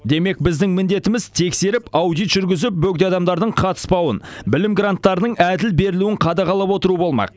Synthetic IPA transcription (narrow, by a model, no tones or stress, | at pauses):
d̪e̞me̞k̚bɪzd̪ɪŋmɪnd̪e̞t̪ɪmɪzt̪ʰe̞kse̞ɾɪpɑwd̪ijt̪ʒ̥ʏɾɡʲɪzɪp̚bɵk̚d̪eɑd̪ɑmd̪ɑɾd̪əɴqʰɑt̪ə̥spɑwə̰nbɪlɪmɡrant̪ːɑɾnəɴæd̪ɪlbe̞ɾɪluwɪŋqʰɑd̪ɑʁɑlˠɑpwo̞t̪əɾuwəbo̞lˠmɑ̰q̚